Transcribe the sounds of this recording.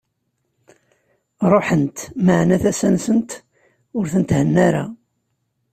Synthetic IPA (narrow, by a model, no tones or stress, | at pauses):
ɾˤoħənt̪məʕnæθæsænsənt̪ | ʊɾθənt̪hənːæɾa